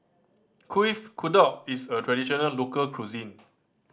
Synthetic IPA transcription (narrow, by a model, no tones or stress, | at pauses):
kʰifkʰudɔisətʰɹɛdiʃɔnəllokəlkʰɹuzĩn